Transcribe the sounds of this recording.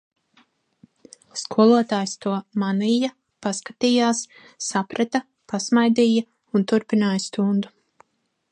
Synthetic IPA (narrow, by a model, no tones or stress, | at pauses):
skʰuɔlˠuɔt̪aːjst̪uɔmaniːja | paskat̪iːjaːsː | apɾʔɛt̪a | pasmajd̪iːja | unt̪uɾpinaːjst̪und̪u